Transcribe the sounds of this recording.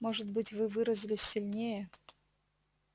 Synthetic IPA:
mo̞ʐɨt̪bɨtʲvɨvɨɾəzʲɪlʲɪsʲːilʲnʲejə

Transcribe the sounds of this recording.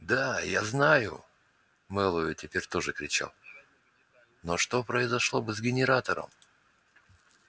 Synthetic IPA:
d̪ajaznajʊ̰ | mɛlˠʊjʊtʲɪpʲeɾʲt̪o̞ʐɨkɾʲɪt͡ɕa̰lˠ | no̞ʂt̪o̞pɾəɪzɐʂlˠo̞bɨzɡʲɪnʲɪɾat̪əɾə̰m

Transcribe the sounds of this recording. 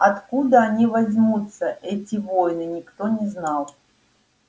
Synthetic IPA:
ɐt̪kud̪əɐnʲivɐzʲmut̪səʔɛtʲɪvo̞jnɨnʲɪkt̪onʲɪznɑlˠ

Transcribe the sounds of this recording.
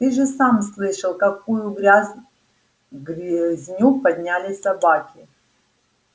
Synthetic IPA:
t̪ɨʐɨsamslˠɨʂɨlˠkɐkujuɡɾʲaz | ɡzʲnʲupɐd̪̚ʲnʲalʲɪsɐbakʲɪ

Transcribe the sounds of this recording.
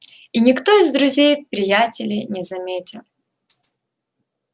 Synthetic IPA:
inʲɪkt̪o̞ɪzd̪ɾʊzʲejpɾʲɪjatʲɪlʲɪjnʲɪzɐmʲetʲɪlˠ

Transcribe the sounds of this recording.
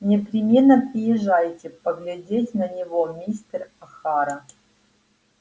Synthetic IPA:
nʲɪpɾʲɪmʲenːəpɾʲɪjɪʐːajtʲɪpəɡlʲɪdʲetʲnənʲɪvomʲist̪rɐxaɾə

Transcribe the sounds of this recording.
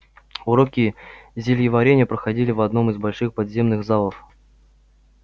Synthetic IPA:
ʊɾokʲɪzʲɪlʲjɪvɐɾʲenʲɪəpɾəxɐdʲilʲɪvɐd̪no̞mɨzbɐlʲʂɨxpɐd̪zʲe̞mnɨɣzalˠəf

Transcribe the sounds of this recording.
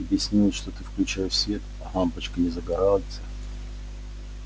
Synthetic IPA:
ɐbjɪsʲnʲilʲʂt̪ot̪ɨfklʲʉt͡ɕajfsʲvʲet̪ɐɦampət͡ɕkənʲɪzəɡɐɾaltʲə

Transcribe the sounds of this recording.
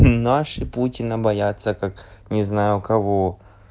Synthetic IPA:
naʂɨputʲɪnəbɐjat̪sːəkaknʲɪznajʊkɐvo

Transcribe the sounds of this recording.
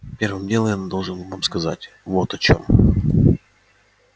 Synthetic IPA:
pʲe̞rvɨmdʲelˠjand̪o̞lˠʐɨnvamskɐza̰tʲ | vo̞t̪ɐt͡ɕo̞̰m

